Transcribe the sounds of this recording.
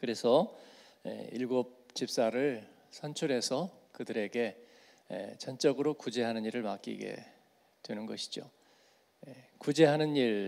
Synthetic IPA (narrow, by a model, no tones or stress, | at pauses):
kɯɾe̞sʰʌjḛiɭɡop̚t͡ɕip̚s͈aɾɯɭ | sʰʌnt͡ɕʰuɾɦe̞sʰʌkɯdɯɾe̞ɡe̞ | ḛt͡ɕʌnt͡ɕ͈ʌɡɯɾokud͡ʑe̞ɦanɯɲiɾɯɭmak͈̚ḭɡe̞̰ | twe̞nɯnɡʌɕʰi̥d͡ʑo̰ | jekud͡ʑe̞ɦanɯniɾ